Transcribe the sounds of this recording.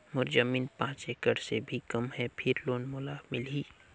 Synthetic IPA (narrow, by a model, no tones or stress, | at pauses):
mʊɾzəmiːnpãːt͡ʃeːkəɽsebʱikɐmɦɛpʰɪɾloːnmʊlamɪliː